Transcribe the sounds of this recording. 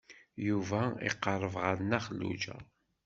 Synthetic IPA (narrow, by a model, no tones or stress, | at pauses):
juvæḭqːəɾˤəvʁəɾnæχlːṵd͡ʒæ̰